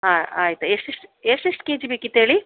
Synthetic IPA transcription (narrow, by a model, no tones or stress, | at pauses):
aːaːjit̪ɐeʂʈeʂʈeʂʈeʂʈkeːd͡ʒibeːkːit̪eːɭi